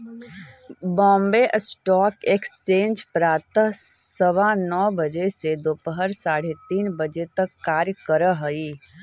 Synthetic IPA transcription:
bɔ̃ːmbeʔsʈɔːkekst͡ʃẽːnd͡ʒpɾaːt̪əɦsəʋanɔːbəd͡ʒesed̪oːpəɦəɾsaːɽet̪iːnbəd͡ʒet̪əkːaːɾjkəɾəɦəiː

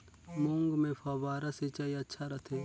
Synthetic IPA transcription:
mʊ̃ŋɡmẽfʰaːbaːɾaset͡ʃaiɐtːʃʰaɾɐt̪ʰeː

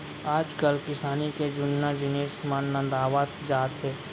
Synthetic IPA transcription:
aːd͡ʒkəlkɪsaːniked͡ʒʊnːad͡ʒɪneːsmãnːə̃nd̪aːʋaːt̪d͡ʒaːt̪ɦɛː

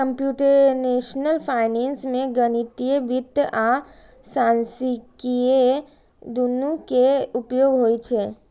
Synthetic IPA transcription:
kəmpjuʈəɾnesnəlpʰaɪnensmeɡənit̪ijebit̪əʔa | sansikije | d̪unukeupjoɡɦojt͡ʃʰɛ

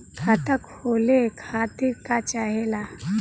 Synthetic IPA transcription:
kʰat̪əkholekʰat̪ikat͡ʃaɦɛla

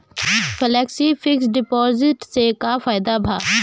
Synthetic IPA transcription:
pʰəlɛːksifʰɪksɖɪpɔːzɪʈsekafaːɪd̪abʱaː

